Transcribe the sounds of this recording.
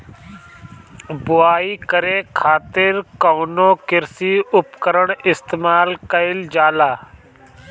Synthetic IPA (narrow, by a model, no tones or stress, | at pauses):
bʊaːiːkəɾeːkʰaːt̪ɪɾkoːnoːkɪɾsiːʊpkəɾəɳɪst̪eːmaːlkəɪld͡ʒaːlaː